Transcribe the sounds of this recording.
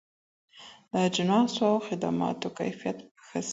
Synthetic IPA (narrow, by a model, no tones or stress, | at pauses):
d̪əd͡ʒɪnɑsoawxɪd̪a̰mɑ̰t̪oka̰jfijat̪əxəs